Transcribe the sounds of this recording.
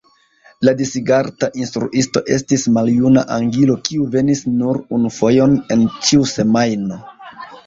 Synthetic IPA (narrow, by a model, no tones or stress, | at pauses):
ladisiɡaɾtaʔinstɾṵʔisto̞̰ʔe̞stismaljunaʔaŋɡilo̞kiuve̞nisnuɾunufo̞jone̞nt͡ʃiuse̞majno̞